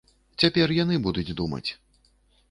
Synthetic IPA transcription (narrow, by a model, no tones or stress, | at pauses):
t͡sʲapʲɛrjanɨbud̪ud͡zʲd̪umɐ̰t͡sʲ